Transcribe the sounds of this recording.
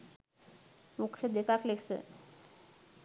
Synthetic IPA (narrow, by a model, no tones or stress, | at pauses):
mukʂəd̪ekakleksə̰